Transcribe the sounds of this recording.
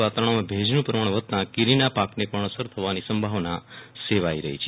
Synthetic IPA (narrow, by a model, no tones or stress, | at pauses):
ʋat̪aɾəɳ̃omãbʱed͡ʒnũpɾəmaɳ̃ʋət̪̚t̪ãkiɾinapaknepəɳ̃əsəɾt̪ʰəʋanisəmbʱaʋnaseʋaiɾə̰ɦit͡ʃʰe